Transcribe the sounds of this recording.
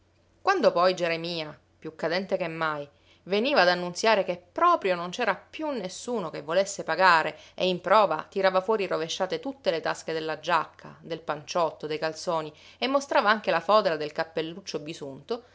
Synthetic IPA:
kwand̪opɔjd͡ʒeɾemiːa | pjukːad̪ɛnt̪ekemːaj | veniːvaːd̪anːunt̪sjaːɾekepːɾɔːpɾjonont͡ʃɛːɾapjunːesːuːnokevːolesːepaɡaːɾeeimpɾɔːva̰t̪iɾaːvafwɔːɾiroveʃːaːt̪et̪ut̪ːelet̪asked̪elːad͡ʒakʰːa̰d̪elpant͡ʃɔt̪ːod̪ejkalt̪soːniemːost̪ɾaːvaaŋk̟elafɔːd̪elad̪elkapːelːut͡ʃːobisunt̪o

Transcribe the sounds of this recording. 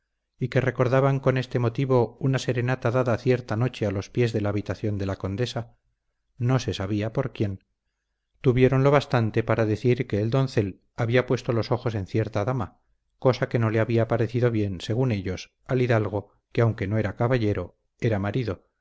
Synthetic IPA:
ike̞re̞ko̞ɾðaβaŋko̞ne̞st̪e̞mo̞t̪iβ̞o̞unase̞ɾe̞nat̪aðaðaθje̞ɾt̪ano̞t͡ʃe̞alo̞spje̞zðe̞laːβit̪aθjo̞nd̪e̞lako̞nd̪e̞sa | no̞se̞saβiapo̞ɾkje̞n | t̪uβje̞ɾo̞nlo̞βast̪ant̪e̞paɾaðe̞θiɾke̞ːld̪o̞nθe̞l | aβiapwe̞st̪o̞lo̞so̞xo̞se̞nθje̞ɾt̪aðama | ko̞sake̞no̞leaβiapaɾe̞θiðo̞βje̞nse̞ɣ̞une̞ʎo̞s | aliðalɣ̞o̞ | keawŋke̞no̞e̞ɾakaβaʎe̞ɾo̞ | e̞ɾamaɾiðo̞

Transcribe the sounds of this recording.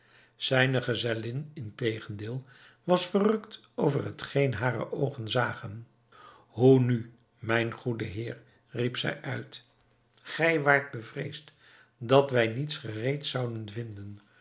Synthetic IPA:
z̥ɛjnəχəzɛlɪnɪntejχəndɪːlˠ | ʋɑsfərɵkt | owvərɦətχejnɦaːrə̰ʔowχənzaːχən | huny | mɛjnχudəɦɪːɹ | ripsɛ̰jʔœɥt | χɛjʋaːɹt̚bəvrejst | dɑtʋɛjnitsχərejtsɑwdənvɪndən

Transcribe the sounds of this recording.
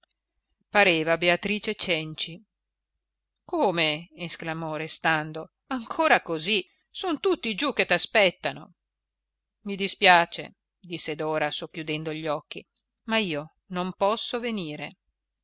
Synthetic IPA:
paɾeːvabeat̪ɾiːt͡ʃet͡ʃɛnt͡ʃi | koːmeːsklamɔɾest̪and̪o | aŋkʰoːɾakozi | sont̪ut̪ːid͡ʒukːet̪ːaspɛt̪ːano̰ | mid̪ispjaːt͡ʃḛ | d̪isːed̪ɔːɾasokːjud̪ɛnd̪oʎːɔkːḭ | maiːo | nompɔsːoveniːɾḛ

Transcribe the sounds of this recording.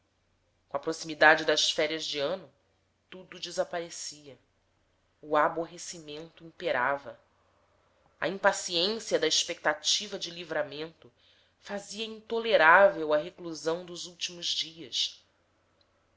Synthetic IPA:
kõɐpɾosimid̪ad͡ʒɪd̪ɐʃfɛɾiɐzd͡ʒiɐ̃nʊ | t̪ud̪ʊd͡ʒɪzapaɾesiɐ | ʊaboɦesimẽnt̪ʊĩpeɾavɐ | ɐ̰ĩpasiẽsiɐd̪ɐeʃpek̚t̪at͡ʃivɐd͡ʒɪlivɾamẽnt̪ʊ | faziɐĩnt̪oleɾavewɐɦekluzɐ̃w̃d̪ʊzuwt͡ʃimʊzd͡ʒiɐs

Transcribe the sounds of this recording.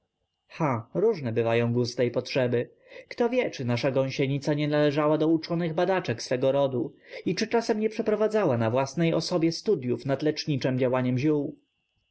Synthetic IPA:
xaɾuʐnɛbɘvajɔ̃w̃ɡust̪ɛjpɔtʂɛbɘ | kt̪ɔvʲjɛt͡ʂɘnaʂaɡɔ̃ɕɛɲit̪saɲɛnalɛʐawad̪ɔut͡ʂɔnɘɣbad̪at͡ʂɛksfɛɡɔɾɔd̪uit͡ʂɘt͡ʂasɛmɲɛpʂɛpɾɔvad̪zawanavwasnɛjɔsɔbʲjɛst̪ud̪jufnad̪lɛt͡ʂɲit͡ʂɛmd͡ʑawaɲɛmʑuw

